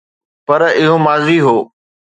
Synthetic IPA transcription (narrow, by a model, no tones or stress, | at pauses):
pɐɾɪɦomaːziɦoː